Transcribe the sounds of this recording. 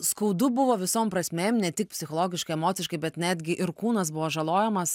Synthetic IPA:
skɐʊd̪ʊbʊʋoːʋʲɪsoːmpɾɐsʲmʲeːmnʲɛt̪ʲɪk̚pʲsʲɪxoːlˠoːɡʲɪʃkɐɪɛmoːt̪sʲɪʃkɐɪbʲɛt̪nʲæːd̪ʲɡʲɪʔɪɾkuːnɐsbʊʋoːʒɐlˠoːjɛmɐs

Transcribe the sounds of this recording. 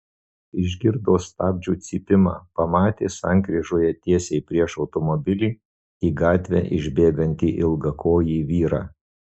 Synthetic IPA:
ɪʒʲɡʲɪɾd̪oːst̪ɑːbʲd͡ʒʲuːt̪sʲiːpʲɪmɑ̰ːpɐmɑːt̪ʲeːsɑˑŋʲˑkɾʲiʒoːjɛt̪ʲiɛsʲɛɪpʲɾʲiɛʃɒʊt̪ɔmɔbʲɪlʲiː | iːɡɑːt̪ʲʋʲɛ̰ʔɪ̰ʒʲbʲeːɡɐnʲt̪ʲiːʔɪlˠɡɐkʰoːjiʋʲiːɾɑ̰ː

